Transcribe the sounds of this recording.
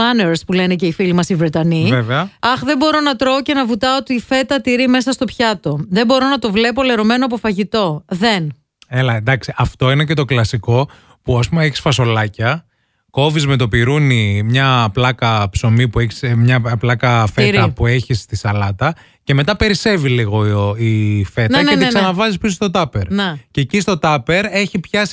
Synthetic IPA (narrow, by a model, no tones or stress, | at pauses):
ɐneɾspule̞nece̞ifilimɐsivɾet̪ɐniveveɐɐxðe̞bo̞ɾo̞nɐt̪ɾoːce̞nɐvut̪ɐoot̪iːfe̞t̪ɐt̪iɾime̞sɐst̪o̞pçɐt̪o̞ðe̞bo̞ɾo̞nɐt̪o̞vle̞p̬o̞le̞ɾo̞me̞noɐp̬o̞fɐʝit̪o̞ðe̞n | elɐnd̪ɐksiʔɐft̪o̞inece̞t̪o̞klɐsiko̞ | puɐspumeeçi̥sfɐso̞lɐcɐ | ko̞vizme̞t̪̬o̞piɾunimɲɐplɐkɐpso̞mipueçi̥smɲɐplɐkɐfet̪ɐpue̞çist̪isɐlɐt̪ɐ | ce̞me̞t̪ɐpe̞ɾise̞viliɣo̞ife̞t̪ɐet̪sɐnɐvɐzispisost̪o̞t̪ɐpe̞ɾnececist̪o̞t̪ɐpe̞ɾe̞çipçɐs